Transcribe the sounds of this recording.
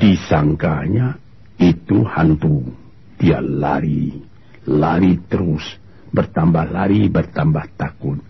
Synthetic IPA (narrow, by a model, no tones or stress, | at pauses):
disaŋkaɲa | it̪uhant̪u | d̪̥ia̰ʔla̰ɾi | laɾit̪əɾʊs | bərt̪ambahlaɾibərt̪ambaht̪akʊn